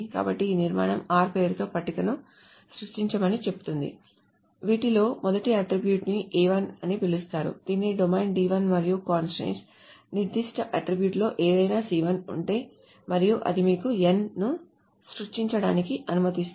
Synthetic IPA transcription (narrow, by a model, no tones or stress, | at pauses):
ka̰ːbɐʈːiːniɾma̰ːɳɐmaːɾpeːɾt̪o̞ːpɐʈːik̪ɐnu | sɾuʂʈiɲt͡ʃɐmɐnit͡ʃe̞pu̥t̪und̪ḭ | ʋiːʈilo̞ːmɔd̪ɐʈiɐʈɾibjuːʈniʔiːʋɐnɐnipelust̪aːɾṵd̪iːnːiɖomejnɖiːʋɐnmɐɾijukaːnsɾḛns | niɾd̪iʂʈɐʔɐʈɾibjuːʈlo̞ːʔeːd̪ɐjnaːsiːʋɐnṵɳʈe̞ː | mɐɾijuʔɐ̰d̪imiːkuenːu | sɾuʂʈiɲt͡ʃɐɽa̰ːnikiʔɐnumɐt̪ist̪